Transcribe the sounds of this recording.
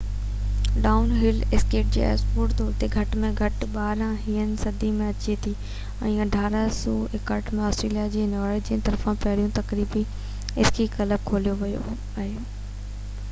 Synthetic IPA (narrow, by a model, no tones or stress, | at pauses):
ɖaːʊnɦɪlɪskeːʈ̚d͡ʑḛːɛ̰spuːʈt̪oːɾt̪eɡʱɐʈmẽɡʱɐʈɓaːɾãɦiːənɪ̆sɐd̪imẽɐt͡ɕet̪ʰi | ɛ̰̃ːɐɖʱaːɾasuekɐʈmẽɔːstɾeːlijad͡ʑeːnɔːɾed͡ʑiə̃nt̪ɐɾfãpɐɦɪɽijũt̪ɐkɾiːbi | ɪskikɐləb̚kʰoːlijoʋɐjo̰ | aːɦe